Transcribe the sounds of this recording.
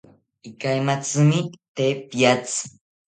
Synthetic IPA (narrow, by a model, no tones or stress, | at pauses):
ɪkajmat͡sɨmɪt̪epjat͡s